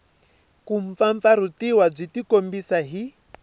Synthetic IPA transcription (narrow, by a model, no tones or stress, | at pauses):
kuɱ̩p̪faɱfaɾutiwab͡ʐʷitikombisaɦi